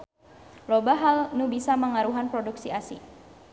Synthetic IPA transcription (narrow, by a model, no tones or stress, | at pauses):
lobaɦalnubisaməŋaɾuɦanpɾoduksiasḭ